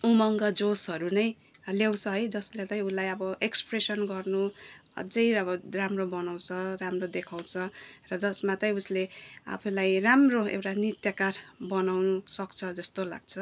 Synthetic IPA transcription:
umʌŋɡʌd͡zosɦʌɾunʌj | lewt͡sʰʌɦʌjd͡zʌslet̪ʌj̃ulajʌbʌʔekspresʌnɡʌrnuʌ̰d͡zʌjʌbʌramrobʌnaw̃t͡sʰʌramrod̪ekʰaw̃t͡sʰʌrʌd͡zʌsmat̪ʌj̃uslea̰pʰulajramroḛwʈanit̪jʌkarbʌnawnusʌkt͡sʰʌd͡zʌst̪ola̰ɡ̚t͡sʰʌ

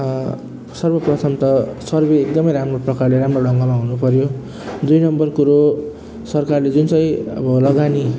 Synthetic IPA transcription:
sʌrbʌprʌt̪ʰʌmt̪ʌsʌrbeek̚d̪ʌmʌjɾamroprʌkarleɾamroɖʌŋɡʌlaɦunupʌɾjo | d̪ujnʌmbʌrkuɾo | sʌrkarled͡zunsʌ̃jʌ̰bʌlʌɡani

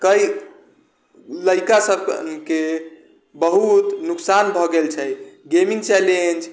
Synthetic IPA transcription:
kəj | ləjkasəbʱke | bəɦut̪nuksanbʱɔɡelt͡ʃʰɛjɡemiŋt͡ʃɛlend͡ʒ

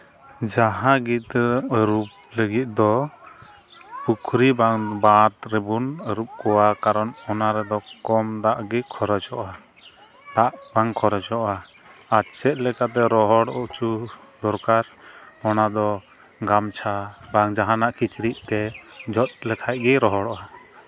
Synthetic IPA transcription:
d͡ʒaɦãɡit̪əɾup̚ləɡit̪̚d̪ɔ | pukʰɾibaŋbat̪ɾɛbunəɾup̚kɔwakaɾɔnɔnaɾɛd̪ɔkɔmd̪aʔɡikʰɔɾɛd͡ʒɔʔa | d̪̥aʔbaŋkʰɔɾɛt͡ʃɔʔa | asɛʔ̪̚lɛkat̪ɛɾɔɦɔɽɔʔt͡ʃud̪ɔɾkaɾmɔnad̪ɔ | ɡamt͡ʃʰabaŋd͡ʒaɦanaʔkit͡ʃɾiʔ̚t̪ɛd͡ʒɔt̪̚lɛt̪ʰaj̚ɡɛɾɔɦɔɽɔʔa

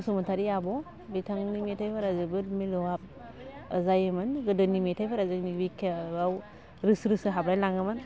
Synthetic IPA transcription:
sɔmɯntʰaɾiabɔ | bitʰaŋnimetʰajpʰaɾazɯbɯɾmilɔwap̚ | a̰zajɯmɯnɡɯdɯnimetʰajpʰaɾazɯknibikʰeaw | ɾɯsɾɯsɯɦabɾajlaŋɯmɯn

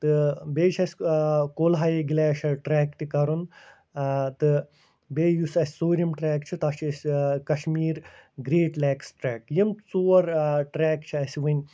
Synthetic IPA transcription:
t̪ɨbeːt͡ʃʰɐsʲkoːlɦaːjeɡilɛːʃɐʈɾɛːkt̪ikɐɾun | t̪ɨ | beːjusɐsʲsoːɾʲimʈɾɛːkt͡ʃʰit̪ɐʃʰsʲkɐʃmiːɾɡɾeːʈlɛːksʈɾɛːkjimt͡soːɐɾʈɾɛːkt͡ʃʰiɐsʲʋɨnʲ

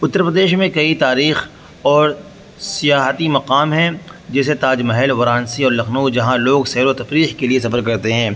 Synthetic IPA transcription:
ʊt̪ːəɾpɾəd̪eːʃmẽkɐit̪aːɾiːx | ɔːɾ | sijaːɦət̪imɐqaːmɦɛ̃d͡ʒɛːset̪aːd͡ʒmɐɦɛlʋɐɾaːnsiɔːɾlɐxnud͡ʒɐɦãloːɡsɛːɾot̪ɐfɾiːxkelies̬ɐfəɾkɐɾt̪eɦɛ̃ː

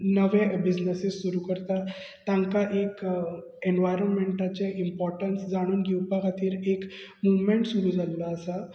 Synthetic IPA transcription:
nəʋẽbid͡ʑnəsissuɾukəɾt̪a | t̪ãŋkaʔek | enɖʋajɾənmeɳʈat͡ɕeʔimpɔɾʈənsd͡zaɽ̃uːnɡiwpakat̪ʰiːɾekmuʋmeɳʈsuɾud͡zalːaːsa

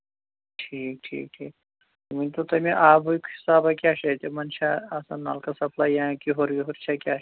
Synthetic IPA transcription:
ʈʰiːk̚ʈʰḭːk̚ʈʰḭːk̚ | munʲt̪ot̪ɐmiʔaːbujkisaːbɐkʲjaːʃɐt̪emɐnʃaɐsanːa̰lkɐsɐpʰlaːjãːkiɦoɾiɦoɾt͡ʃʰakʲa

